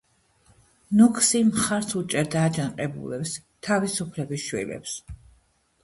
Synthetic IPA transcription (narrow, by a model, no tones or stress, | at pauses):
nukʰsimχaɾsʰut͡ʃʼɛɾd̪aːd͡ʒanqʼɛbṵlɛpst̪ʰavisupʰlɛbisʃwḭlɛ̰ps